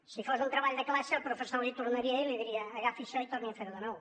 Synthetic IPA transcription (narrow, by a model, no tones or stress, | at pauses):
sɨfosðũnt̪ɾɐβaʎuðɐklaʃɐpɾofesãɾlit̪uɾnɐɾiɐiliðiɾiɐːɣafiʃɔjt̪ɔɾnĩɐ̃feɾɐðɐnɔw